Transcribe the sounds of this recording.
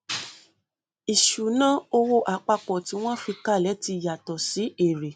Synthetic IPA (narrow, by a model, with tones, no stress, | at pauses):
i˨ʃu˨nã˦o˧wo˦ʔa˨˦k͡pa˧k͡pɔ˨ti˨˦w̃ɔ̃˦fi˧ka˦˨lɛ˨˦ti˧˨ja˨tɔ˨si˨˦e˦˨ɾe˨